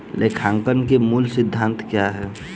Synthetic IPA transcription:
lʔekʰãːŋkənkemuːlsɪd̪ʱːãːnt̪kjaɦɛː

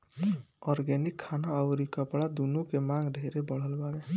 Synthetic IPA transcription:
ɔːɾɡɛnɪkʰːaːnaəʊɾikəpɽad̪unõkemãːŋɡɖʱeːɾebəɽ̤əlbaːle

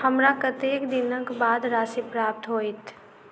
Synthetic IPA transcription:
həmɾakət̪eːkd̪ɪnəkbaːd̪ɾaːsipɾaːp̚t̪ɦoːɪt̪

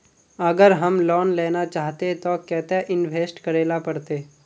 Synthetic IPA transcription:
əɡəɾɦəmlɔːnlɛːnat͡ʃaːɦt̪et̪okɛːt̪eʔɪnʋʱeːsʈkəɾeːlapɐɾt̪eː

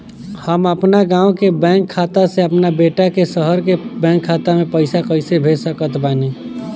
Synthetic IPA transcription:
həməpnaɡãːõkebɛ̃ːŋkʰːaːt̪aseəpnabeːʈakesəɦəɾkebɛ̃ːŋkʰːaːt̪amẽpəɪsakəɪsebʱesəkət̪baːni

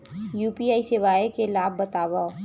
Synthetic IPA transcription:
juːpiaːisɪʋaːekelaːbːɐt̪aːʋa

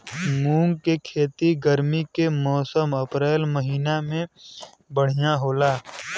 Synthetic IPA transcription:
mũːŋɡkekʰeːt̪iɡəɾmikemɔːsəməpɾeːlməɦiːnamẽ | bəɽ̤ijaɦoːlaː

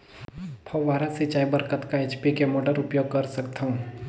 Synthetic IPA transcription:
pʰɐwʋaːɾasit͡ʃaːibɐɾkət̪kaeːt͡ʃpikemoːɖəɾʊpjoːɡ̚kɐɾsɐkt̪aɦũː

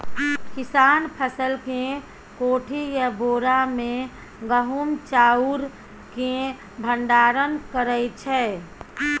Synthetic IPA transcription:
kisaːnpʰəsəlkẽ | koːʈʰijaboːɾamẽ | ɡəɦumt͡ʃaːuɾ | kẽ | bʱəɳɖaːɾənkəɾəjt͡ʃʰɛ

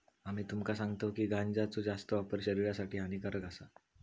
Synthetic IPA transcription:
amiːt̪umkasãŋɡt̪əkiːɡʱand͡zat͡sod͡zast̪əʋapəɾɕəɾiɾjasaʈʰiːɦanikaɾəɡasa

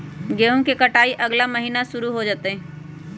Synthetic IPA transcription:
ɡeːɦõkekɐʈaːiʔɐɡlaməɦiːnaʃʊɾuɦod͡ʒaːt̪eɦɛ̃

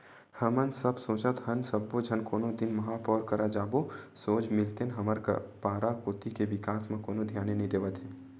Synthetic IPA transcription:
həmənsəbsoːt͡ʃət̪hənsəbːod͡ʒʱənkoːnod̪ɪnmɐɦaːpɔːɾkəɾad͡ʒaːbosoːd͡ʒmɪlt̪enɦəməɾkpaːɾakoːt̪ikeʋɪkaːsmẽkoːnod̪ʱjaːnenɐɦĩd̪eːʋət̪ɦɛː

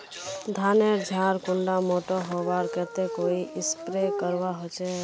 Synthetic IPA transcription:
d̪ʱaːneɾd͡ʒʱaːɾkʊɳɖamoːʈoɦoːʋaːɾkɛːt̪ekoːiʔɪspɾekəɾʋaɦot͡ʃɛ

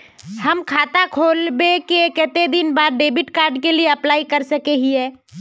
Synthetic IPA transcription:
hɐmkʰaːt̪akʰoːlbekekɛt̪ed̪ɪnbaːɾɖeːbɪʈkaːɾɖkelieɐplaːikɐɾsɐkeɦiɦɛː

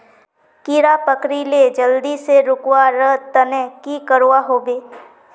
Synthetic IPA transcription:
kiɾapəkɾiled͡ʒəld̪iseɾʊkwaɾəɦt̪ənɛ̃kikəɾoaɦoːbeː

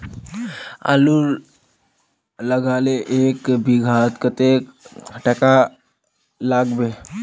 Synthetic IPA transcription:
a̰ːlu | ləɡaːleʔeːkbʱiɡʱaːt̪kət̪ekʈɛka | laːɡbe

